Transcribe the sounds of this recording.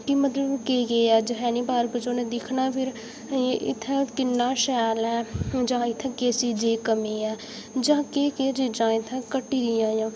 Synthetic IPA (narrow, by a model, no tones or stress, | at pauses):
kɪmət̪ləbkeːɡeːɛːd͡ʒəɦɛːniːbaːɾkəd͡ʒoːnẽːd̪ɪkʰnaːpʰɪɾ | ʔɪ̰t̪ʰːɛ̃ːkɪnːaːʃɛːlɛːd͡ʒãːɪt̪ʰːɛ̃ːkeːsiːd͡ʒeːkəmiːɛː | d͡ʒãːkeːkeːt͡ʃiːd͡ʒãːɪt̪ʰɛ̃ːkəʈːiːd̪ɪjãːjãː